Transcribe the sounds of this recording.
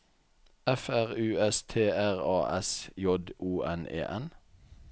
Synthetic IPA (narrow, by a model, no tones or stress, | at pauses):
ɛfæʁʉːɛst̪ʰeːæʁɑːʔɛsjɔd̪uːʔɛnḛːʔɛn